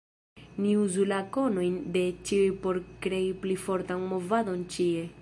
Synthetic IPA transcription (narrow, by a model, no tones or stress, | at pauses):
niuzulako̞no̞jnde̞t͡ʃiujpo̞ɾkɾe̞iplifo̞ɾtanmo̞vado̞nt͡ʃie̞